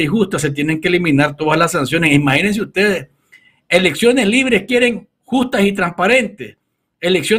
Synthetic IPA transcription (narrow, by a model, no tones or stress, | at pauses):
ixust̪as̬e̞t̪je̞ne̞ŋkeelimĩnaɾt̪o̞ðaslasansjo̞ne̞simahinens̬eust̪e̞ðes | e̞le̞ksjo̞ne̞sliβ̞ɾe̞skje̞ɾe̞ŋ | xust̪asit̪ɾampaɾe̞nt̪es | eleksjo